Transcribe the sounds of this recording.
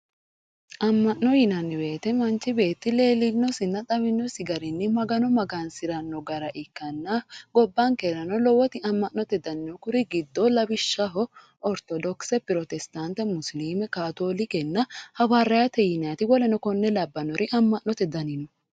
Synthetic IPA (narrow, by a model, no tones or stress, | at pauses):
ʔɐmːɐʔnɔjɪnɐnːɪbe̞ːt̪ɛmɐnt͡ʃːɪbe̞ːt̪ːɪle̞ːlɪnːɔsɪnːɐt̪ʼɐβɪnːɔsɪɡɐɾɪnːɪmɐɡɐnɔmɐɡaːnsɪɾɐnːɔɡɐɾɐʔɪkːɐnːɐɡɔbːɐŋkeɾɐnɔlɔwɔt̪ɪɐmːɐʔnɔt̪ɛd̪ɐnɪnɔkʊɾɪɡɪd̪ːɔlɐbɪʃːɐɦɔ | ɔɾt̪ɔd̪ɔksɛpɪɾɔt̪ɛst̪ant̪ɛmʊsliːmɛkaːt̪oːlɪkɛnːɐhɐwɐrɐjɐt̪ɛjɪnat̪ɪwɔlɛnɔkɔnːɛlɐbːɐnɔɾɪʔɐmːɐʔnɔt̪ɛd̪ɐnɪnɔ